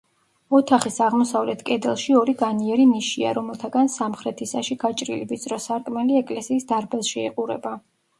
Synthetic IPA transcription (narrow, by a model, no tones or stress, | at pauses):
ɔt̪ʰaχisaʁmɔsavlɛt̪ʰkʼɛd̪ɛlˠʃiɔɾiɡaniɛɾimiʃia̰ɾɔmɛlˠt̪ʰaɡansamχɾɛt̪ʰisaʃiɡ̥at͡ʃʼɾḭlivizʼɾɔsaɾkʼmɛliɛkʼlɛsiːsd̪aɾbɛlˠʃiɛ̰qʼuɾɛ̰ba